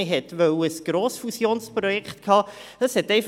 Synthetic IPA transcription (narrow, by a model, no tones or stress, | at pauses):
ɪɦɛt̪ʋœwəsɡ̥ɾoːsfusjoːnspɾɔjɛkχt̪kʰhɑːd̥ɑshɛtɛɪf